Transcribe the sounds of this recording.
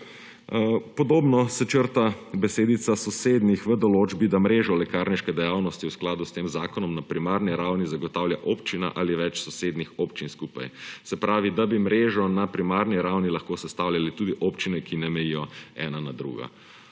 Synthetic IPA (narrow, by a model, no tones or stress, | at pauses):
pɔd̪oːbnɔsɛt͡ʃəɾt̪abɛseːd̪it̪sasɔseːd̪nixʋəd̪ɔloːd͡ʒbid̪amɾeːʒɔlɛkaːɾniʃkɛd̪ɛjawnɔst̪iwsklaːd̪ust̪eːmzaːkɔnɔmnapɾimaːɾniɾawnizaɡɔt̪awljaʔoːpt͡ʃina̰ʔaliʋɛt͡ʃsɔseːd̪nixɔpt͡ʃinskuːpa̰jsɛpɾʔaːʋid̪abimɾeːʒɔnapɾimaːɾniɾawnilɐxkoːsɛst̪aːwljalit̪uːd̪iʔoːpt͡ʃinɛkinɛmɛjijɔɛ̰ːnanad̪ɾṵːɡa̰